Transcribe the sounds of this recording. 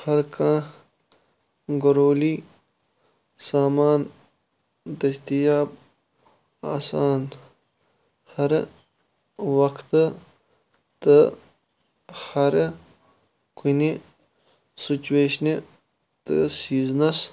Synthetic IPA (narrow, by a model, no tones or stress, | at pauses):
hɐɾkãː | ɡoɾoːli | saːmaːn | d̪ɐst̪ijaːb̚ | a̰ːsaːn | hɐɾ | wɐkt̪ə | t̪ə | hɐɾ | kune | sit͡ʃuweːɕne | t̪ə̰siːznɐs